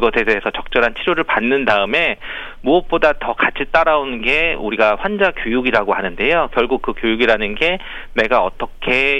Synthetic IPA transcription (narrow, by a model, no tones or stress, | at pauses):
ɡʌsʰesʰeesʰʌt͡ɕʌk̚t͡ɕ͈ʌɾɦant͡ɕʰiɾjoɾɯɭpanːɯndaɯme̞ | muʌp̚p͈odatʌkat͡ɕʰit͈aɾaonɡe̞uɾiɡaɸwand͡ʑakjojuɡiɾaɡoɦanɯnde̞jokjʌɭɡuk̚k͈ɯkjojuɡiɾanɯnɡe̞ | ne̞ɡaʌ̰t͈ʌkʰe̞